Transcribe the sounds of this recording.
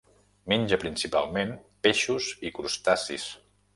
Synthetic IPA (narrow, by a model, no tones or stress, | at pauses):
menʲd͡ʒəpɾinsipa̰lˠmenpeʃuzikɾust̪asḭs